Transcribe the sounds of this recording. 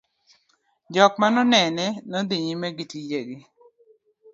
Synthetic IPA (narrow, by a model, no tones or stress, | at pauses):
d͡ʒɔkmanɔnɛnɛnɔd̪iɲimɛɡitid͡ʒeɡi